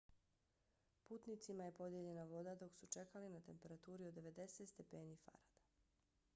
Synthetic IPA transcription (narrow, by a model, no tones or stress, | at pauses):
puːt̪nit̪simaje̞po̞d̪je̞ʎe̞naʋo̞d̪ad̪o̞ksut͡ʃe̞kalinat̪e̞mpe̞ɾat̪uːɾiod̪ːe̞ʋe̞d̪e̞set̪st̪e̞pe̞ːnifa̰ɾad̪̥ḁ